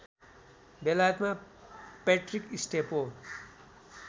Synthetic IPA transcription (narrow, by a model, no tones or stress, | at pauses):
belajʌt̪ma | peʈrikisʈepo